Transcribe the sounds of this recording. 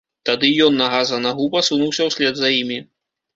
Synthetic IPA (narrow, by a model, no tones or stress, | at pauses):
t̪ad̪ɨjɔnːɐɣazɐnɐɣubɐsunuwsʲɐwsʲlʲɛd̪zɐjimʲi